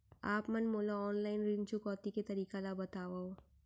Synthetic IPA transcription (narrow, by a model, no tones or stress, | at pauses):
aːpmɐnmoːlaɔːnlaːɪnɾɪnt͡ʃʊkɔːt̪iket̪ɐɾiːkalabɐt̪aːʋao